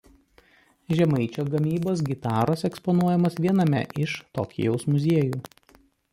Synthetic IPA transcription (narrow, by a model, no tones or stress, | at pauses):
ʒʲɛmɐɪt͡ʃʲoːɡɐmʲiːboːs̬ɡʲɪt̪ɑːɾoːsɛkspɔnuɔjɛmoːsʋʲiɛnɐmʲɛ̰ʔɪʃt̪o̰ːkʲɪ̰jɛʊsmʊzʲeɛjuː